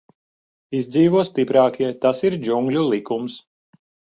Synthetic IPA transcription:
izd̪ziːvuɔst̪ipɾɑːkiɛt̪asiɾd͡ʒuŋɡlʲulˠikums

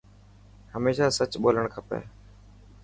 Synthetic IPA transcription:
həmeːʃaːsət͡ʃɓoːləɳkʰəpḛː

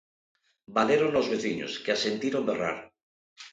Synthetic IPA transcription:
baðeɾonozβeθiɲo̰skeasent̪iɾombera̰ɾ

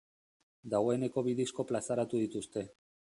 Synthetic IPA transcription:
d̪aɣo̞e̞ne̞ko̞βiðisko̞plasaɾat̪uð̞it̪ust̪e̞

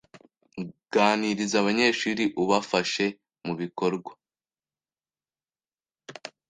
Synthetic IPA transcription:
ɡ̥aːniɾizaβaɲe̞ːʃuɾiʔuβafaʃe̞ | muβiko̞ɾɡwa

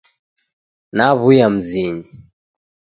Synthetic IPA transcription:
naβujam̩ziɲi

